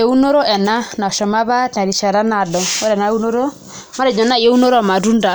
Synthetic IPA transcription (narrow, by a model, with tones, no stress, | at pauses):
e˨˦u˦no˦ɾo˦ʔɛ˨na˦na˨ʃɔ˨ma˦βa˦ta˨ɾi˨ʃa˨ɾa˦na˨dɔ˨o˦ɾɛ˨na˨˦u˦no˦ɾo˦ | ma˦ɾe˨ɲɔ˨na˦i˨e˦u˦no˦ɾma˨ɾu˦nda˨